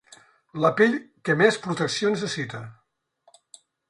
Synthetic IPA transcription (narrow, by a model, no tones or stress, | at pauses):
ləpiʎkəmɛspɾut̪əksionəsəsit̪ə